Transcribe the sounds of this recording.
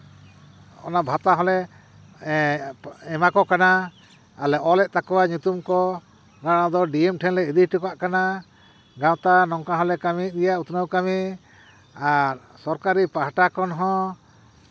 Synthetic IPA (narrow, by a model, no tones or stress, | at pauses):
ɔ̰nabʱat̪aɦɔlɛ | ɛmakɔkanaː | lɛʔɔlɛʔ̚t̪akɔwaɲut̪umkɔ | ɡaɽ̃ad̪ɔɖiɛmʈʰɛnlɛid̪ihʈukaʔkana | ɡãwt̪anɔŋkaɦɔlɛkamiɾijaʔut̪nəwkami | aɾ | sɔɾkaɾipaɦaʈakɔnɦɔ̃